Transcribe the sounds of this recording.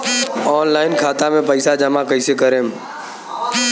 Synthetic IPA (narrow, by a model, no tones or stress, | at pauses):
ɔːnlaːɪnkʰaːt̪amẽpəɪsad͡ʒɐmakəɪsekəɾẽːm